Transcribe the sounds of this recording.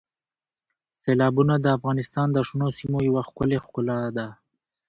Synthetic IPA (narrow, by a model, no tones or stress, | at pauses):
selɑbunad̪əafɣɑnɪst̪ɑnd̪əʂnosimojawaxkʊlexkʊlɑd̪a